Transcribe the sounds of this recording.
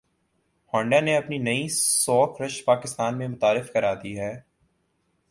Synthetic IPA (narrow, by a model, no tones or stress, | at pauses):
hɔ̃ːɳɖaneɐpninɐisɔːkɾɐʃpaːkɪst̪aːnmẽmʊt̪aːɾɪfkɐɾaːd̪iɦɛː